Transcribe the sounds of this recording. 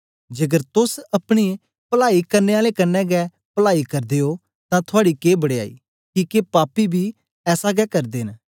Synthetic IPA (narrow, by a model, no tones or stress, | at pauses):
d͡ʒɐɡəɾt̪ʊsɐpɽ̃i | pəlaːikɐɾneːaːlekənːɛɡɛː | pəlaːikɐɾd̪eːoː | t̪ãːt̪ʰʊaːɽikeːbɐɽeːa̰ːḭː | kiːkepaːpibʱiː | ɛːsaɡɛːkɐɾd̪eːn